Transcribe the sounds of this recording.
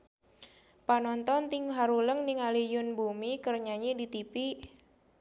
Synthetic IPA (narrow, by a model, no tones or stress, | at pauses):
panɔnt̪ɔnt̪ɪŋɦaɾuləŋnɪŋalijʊnbumikərɲaɲidit̪ipi